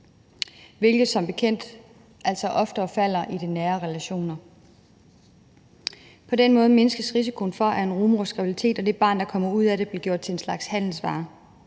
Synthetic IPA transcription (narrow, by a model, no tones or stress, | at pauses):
ʋe̝lɡ̥ð̩ˠsɒ̽mb̥e̝kʰen̰d̥ | ʔæl̰sɒ̽ʔɒ̽fd̥ɐːfæl̰ɐʔid̥enæːɐʁɛlæɕo̝̰ːnɐ | pʰɒ̽denmɔ̽ːð̞ˠme̝nəsɡ̥əsʁisikʰo̝n̩fɒ̽ʔæɐe̝nʁuːmosɡ̥ʁɑb̥ilit͡sʰe̝̰ːd̥ɒ̽d̥e̝b̥ɑ̈ːnd̥ɑ̈kʰɒ̽m̰ɐuð̞̰ˠæɾe̝b̥le̝ɡ̥jo̝ɐ̰d̥̚t͡sʰe̝enslɑ̈ɡ̥shæn̰l̩sʋɑ̰̈ː